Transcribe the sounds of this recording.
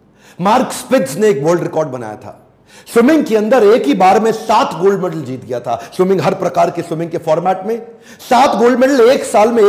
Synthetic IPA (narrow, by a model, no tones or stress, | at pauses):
maːɾkspɪdzneːkʋəːɾlɖɾɪkɔːɾɖbɐna̰ːja̰t̪ʰa̰ː | swɪmɪ̃ŋɡ̚keɐ̃nd̪əɾeːkɦibaːɾmẽsaːt̪ʰɡoːlɖmɛɖəld͡ʒiːt̪ɡɐjat̪ʰa̰ːswɪmɪ̃ŋɡɦɐɾpɾɐkaːɾkeswɪmɪ̃ŋɡkefɔːɾmɛːʈmẽ | saːt̪ɡoːlɖmɛɖəleːksaːlmẽ